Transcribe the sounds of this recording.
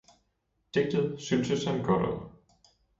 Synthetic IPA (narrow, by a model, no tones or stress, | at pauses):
d̥e̝ɡ̥̚d̥ð̩ˠsynsəshænɡ̥ɒɾ̥ɒ̰ð̰ˠ